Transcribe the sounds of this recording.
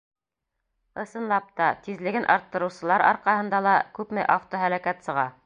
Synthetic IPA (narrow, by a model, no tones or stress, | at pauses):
ɤ̆sɤ̆nlˠɑp̚t̪ɑt̪izlɘ̆ɡɘnʔɑ̰ɾt̪ːɤ̆ɾɤ̆wsɤ̆lˠɑɾɑ̰ɾqɑhɤ̆nd̪ɑlˠɑkʉpmɘʔaft̪oɦælækæt̪sɤ̆ʁɑ